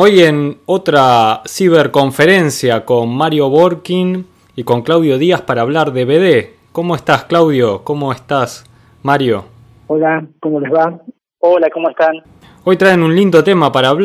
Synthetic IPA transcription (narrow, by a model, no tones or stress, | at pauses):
o̞jeno̞t̪ɾasiβeɾko̞ɱfe̞ɾe̞nsjako̞nmaɾjo̞βoɾkin | iko̞ŋklawðjo̞ðiaspaɾaːβ̞laɾðe̞βeðe | ko̞moest̪asklawðjo̞ko̞mo̞est̪as | maɾjo̞ | olakomolezβa | olakomoest̪an | o̞jt̪ɾaenunlind̪o̞t̪e̞mapaɾaːβ